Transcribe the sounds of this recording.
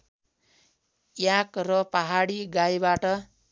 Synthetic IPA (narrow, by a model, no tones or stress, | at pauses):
jakrʌpaɦaɽiɡaibaʈʌ